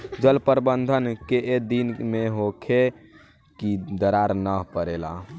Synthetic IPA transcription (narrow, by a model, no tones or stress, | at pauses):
d͡ʒəlpəɾbənd̪ʱənkeʔed̪inmeɦokʰe | kid̪əɾaɾnəpəɾela̰